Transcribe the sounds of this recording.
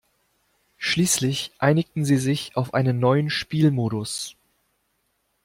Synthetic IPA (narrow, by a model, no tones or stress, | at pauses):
ʃliːslɪçʔaɪnɪktn̩ziːzɪçaʊfʔaɪnənːɔʏənʃpiːlmoːɾʊs